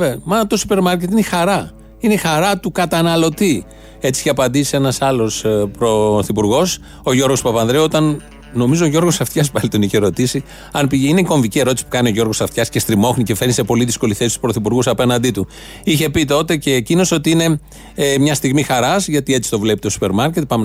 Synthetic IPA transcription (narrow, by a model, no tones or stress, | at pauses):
emɐt̪osupe̞ɾmɐɾce̞t̪inexɐɾɐ | inexɐɾɐt̪ukɐt̪ɐnɐlo̞t̪i | e̞t͡siiçeɐpɐnd̪isie̞nɐsɐlo̞spɾo̞θipuɾɣo̞s | o̞ʝo̞ɾɣo̞spɐpɐnðɾeot̪ɐn | no̞mizo̞ːʝo̞ɾɣosɐft̪çɐspɐlit̪oniçeɾo̞t̪isi | ɐnpiine̞ko̞ɱvicie̞ɾo̞t̪isi̥pu̥kɐnio̞ʝo̞ɾɣo̞sɐft̪çɐsce̞st̪ɾimo̞xnice̞feɾnise̞po̞liðisko̞liθesist̪u̥spɾo̞θipuɾɣusɐpe̞nɐnd̪it̪u | içe̞pit̪o̞t̪e̞ce̞ːcino̞so̞t̪iine̞ | mɲɐst̪iɣmixɐɾɐsʝɐt̪ie̞t͡si̥t̪o̞vle̞pit̪osu̥pe̞ɾmɐɾce̞t̪pɐme